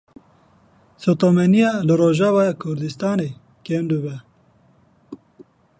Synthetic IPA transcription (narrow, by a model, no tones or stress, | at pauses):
sot̪omɛnijɑːlɨɾoːʒɑːvɑːjɑkʰʊɾd̪ɨst̪ɑːneː | keːndɨβɛ